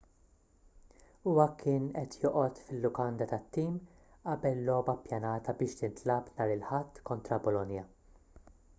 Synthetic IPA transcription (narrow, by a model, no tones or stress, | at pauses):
ʊwɐkʰɪːnɛt̪jɔːʔɔt̪fɪlːʊkɐnd̪ɐt̪ɐt̪ːiːm | ʔɐbɛlːɔːbɐpjɐnɐːt̪ɐbɪːʃt̪ɪnt̪lɐpnɐːɾɪlħɐt̪ːkɔnt̪ɾɐbɔlɔnjɐ